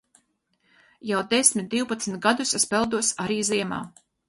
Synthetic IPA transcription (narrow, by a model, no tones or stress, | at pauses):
jawd̪esmʲit̪̚d̪iwpat̪smʲt̪̚ɡad̪usɛspɛlˠd̪uɔsaɾiːziɛma̰ː